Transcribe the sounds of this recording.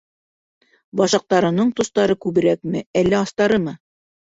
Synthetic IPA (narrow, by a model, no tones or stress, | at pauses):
bɑʃɑq̚t̪ɑɾɤ̆nɤɴt̪ust̪ɑɾɤkʉβɘ̆ɾækmɘælːæɑst̪ɑɾɤmɤ